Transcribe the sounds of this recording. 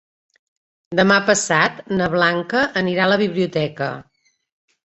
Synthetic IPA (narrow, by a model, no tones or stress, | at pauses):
d̪əmapəsat̪nəβlaŋkəʔəniɾaləβ̞iβliut̪ɛkə̰